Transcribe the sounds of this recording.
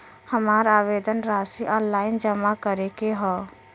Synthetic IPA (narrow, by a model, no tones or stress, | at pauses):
həmaːɾaːʋeːd̪ənɾaːsiʔɔ̃ːnlaːɪnd͡ʒəmakəɾekeɦɔː